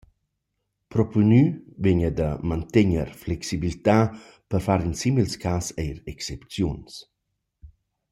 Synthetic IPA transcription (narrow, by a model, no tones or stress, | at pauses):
pɾɔpunyveɲəd̪əmant̪eɲəɾflɛksibilit̪a | pəɾfaɾinsimilskʰasɛjɾɛksɛpt͡sjuns